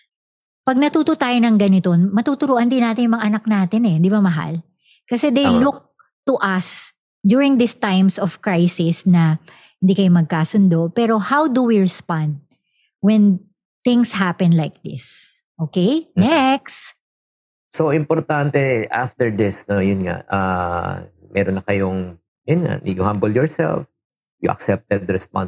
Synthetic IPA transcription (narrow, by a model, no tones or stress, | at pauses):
pɐɡ̚nɐt̪uːt̪ot̪aːjonɐŋɡɐnɪt̪o̞nmɐt̪uːt̪ʊɾuːʔɐnd̪ɪnaːt̪ɪnjʊmɐŋaʔɐnɐk̚naːt̪ɪnɛnd̪ɪbɐmɐɦa̰l | kɐsɛd̪ejlʊk̚ | t̪ʊʔɐs | d̪juɹɪ̃ŋd̪ɪst̪ajmsɔfkɹajsɪsnɐ | hɪnd̪iːkɐjomɐɡ̚kaːsʊnd̪o̞pɛːɾo̞hawd̪uwiɹɛspãnd̪̚ | wɛ̃n | t̪ɪ̃ŋshapɛ̃nlajk̚d̪ɪ̰s | ʔoːkejnnɛks | soʔɪmpɔɾt̪ant̪ɛʔa̰ft̪ɛɹd̪ɪsnojʊnŋa̰ʔa̰ | mʔɛ̰ɾonːɐkɐjoŋ | jʊnŋa̰njʊhambəljɔɹsɛ̰lf | jʊʔɐ̰ksɛp̚t̪ɛd̪ɾɛspa̰n